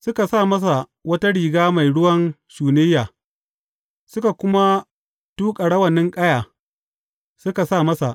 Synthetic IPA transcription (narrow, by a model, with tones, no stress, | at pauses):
sʊ˦ka˨saː˦˨mɐ˦s̬a˨ | wɐ˦ta˦ɽiː˨ɡaː˦ma˨jɽʊ˦wɐ˦nʃuː˨nɪ˦jːaː˨ | sʊ˦ka˨kʷʊ˦ma˦ | tuː˦kʼɐ˨ɽɐ˦wɐ˨nɪ˦ŋkʼɐ˦jaː˨ | sʊ˦ka˨saː˦˨mɐ˦sa˨ʔ